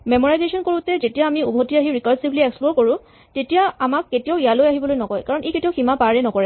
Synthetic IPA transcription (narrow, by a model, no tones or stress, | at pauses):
mɛmɔɹajzesɔnkoɹutɛzetijaːmiubʱotiaɦiɹikaɹsibliɛksplɔɹkɔɹʊ̃ | tetijaamakːetijaʊijalojaɦibɔlojnɔkɔjkaɹɔnʔeketiaʊximapaɹɛnɔkɔɹɛ